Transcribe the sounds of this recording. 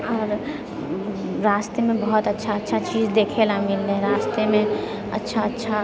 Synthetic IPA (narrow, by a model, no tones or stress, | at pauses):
ɔːɾ | ɾaːst̪emẽbɐɦʊt̪ɐtːʃʰaɐtːʃʰat͡ʃiːd͡ʒd̪eːkʰelamɪlːeɾaːst̪emẽ | ɐ̰tːʃʰaɐtːʃʰa